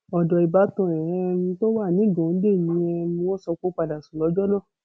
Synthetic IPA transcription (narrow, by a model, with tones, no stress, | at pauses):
ɔ˨dɔ˨i˨ba˨˦tɔ̃˧˨ɾɛ̃˨ɛ˧nĩ˧to˦wa˦˨nĩ˨˦˨ɡɔ̃˨˦de˦˨nĩ˧˦ɛ˧nĩ˧wɔ̃˦sɔ˧ko˦k͡pa˧da˨su˨lɔ˨˦d͡ʒɔ˦nã˦˨